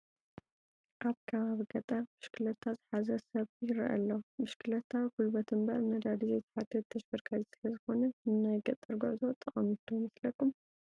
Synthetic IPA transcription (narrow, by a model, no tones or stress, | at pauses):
ʔaβkʰɐβaβiɡɐt̪ʼɐɾbɨʃkʰɨlɐt̪ʰːazɨħazɐsɐβjɪɾɨ̰ʔɐ̰lːɐmɨʃkʰɨlɐt̪ʰːawikulbɐt̪ʰɨmbɐɾmɐd̪ad̪izejt̪ʰɐ̥ħat̪ʰːɐt̪̚t̪ʰːɐʃbɐɾkʰalisɨlɐzɨxo̞nɐɨnːajɡɐt̪ʼːɐɾɡuʕzo̞t̪ʼɐχʼɐmɨt̪ʰomɐslɐkʰːum